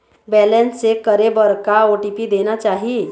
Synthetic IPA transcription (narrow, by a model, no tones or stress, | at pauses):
bɛlensekəɾebəɾkaoʈipid̪enat͡ʃaɦi